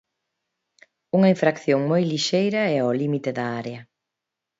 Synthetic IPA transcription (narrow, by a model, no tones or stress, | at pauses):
uŋɐiɱfɾakθjoŋmojliʃejɾɐɛɔlimit̪ɪðɐaɾeɐ